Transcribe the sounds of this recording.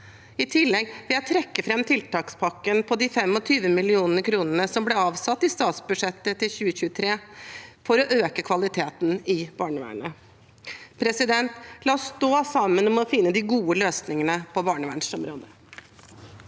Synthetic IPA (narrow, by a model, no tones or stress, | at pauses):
ɪt̪ʰɪlːɛɡʋɪljæɪt̪ʰɾɛkːəfɾɛmt̪ʰɪlt̪ɑːkspʰɑkːənpʰɔd̪ɪfɛmɔt̪ʰyːʋəmɪlɪuːnəɾkʰɾuːnənəsɔmblɛɑːʋsɑt̪ːɪst̪ɑːt̪sbʉdʂɛt̪ːət̪ɪlçʉːəɕʉːt̪ʰɾeːfɔɾɔʔøːkəkʰʋɑlɪt̪ʰeːt̪nɪb̥ɑːɳəʋæ̰ːɳə | pʰɾɛsɪd̪ɛnt̪lɑːɔsːt̪oːsɑmːənɔmɔfɪnːəd̪ɪɡuːəløːsnɪŋənəpʰɔbɑːɳəʋæɳʂɔmɾoːd̪ə